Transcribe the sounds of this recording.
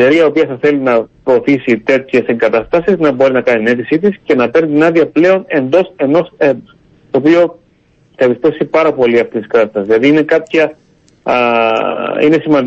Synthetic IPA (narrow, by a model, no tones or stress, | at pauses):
eɾiɐopiɐθɐθe̞linɐpɾo̞ːθisit̪e̞t̪çeseŋɡɐt̪ɐst̪ɐsiznɐbo̞ɾinɐkɐnit̪ine̞t̪isit̪isce̞nɐpe̞ɾnit̪inɐðiɐple̞o̞ne̞nd̪o̞se̞no̞se | t̪o̞ːpio̞ | θɐepist̪e̞fsipɐɾɐpo̞liɐft̪isiskɐt̪ɐst̪ɐszðilɐðiine̞kɐpçɐ | ine̞simɐnd̪